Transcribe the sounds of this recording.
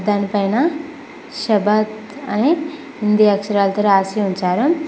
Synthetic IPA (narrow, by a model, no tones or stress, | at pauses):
d̪ʱaːnɐpɐjnɐ | ʃɐbɐd̪ | ɐ̰ni | ɦind̪iɐkʂɐɾaːlt̪ɐɾeaːsiunt͡ʃaːɾu